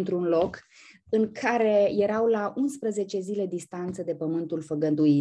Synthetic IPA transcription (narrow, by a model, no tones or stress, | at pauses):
nt̪ɾunlo̞k | ɨŋkʰaɾe̞je̞ɾawlaʔunspɾəze̞t͡ʃe̞zile̞d̪ist̪ant̪səd̪e̞pəmɨnt̪ulfəɡənd̪ui